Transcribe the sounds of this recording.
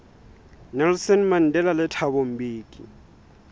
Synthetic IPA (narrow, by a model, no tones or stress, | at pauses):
nɛlsɔnman̩dʱɛlalɪtʰaβom̩biːkʼḭ